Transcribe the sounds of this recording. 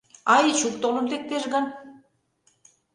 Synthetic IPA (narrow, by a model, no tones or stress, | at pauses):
ɑjt͡ɕukt̪olə̆mlek̚t̪eʒɣɑn